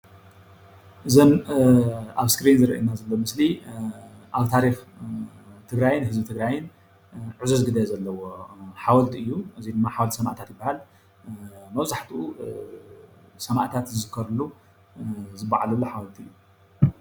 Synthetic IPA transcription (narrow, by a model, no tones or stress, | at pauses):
ʔɨzɐm | a̰βskɾinzɨɾɐ̰ʔjnazɐlːomɨsli | ʔaβt̪ʰaɾix | t̪ʰɨɡɾajɪnhɨzbɨt̪ʰɨɡɾajɪn | ʕɨzɐzɡɨd̪ɐjzɐlːɐwoħawɐlt̪ʰɨjːuʔɨzid̪ɨmːaħawɔlt̪ʰsɐma̰ʔt̪ʰat̪jɪbːahal | mɐβzaħt̪ʰʔu | sɐma̰ʔt̪ʰat̪zɨzɨkʰːɐɾlu | zɨbːa̰ʕalɐlːoħawɐlt̪ʰiʔɨjːu